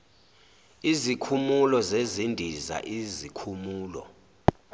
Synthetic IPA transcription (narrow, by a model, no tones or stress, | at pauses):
izikʰumulɔzezindʱiza̰ʔizikʰumuːlɔ̰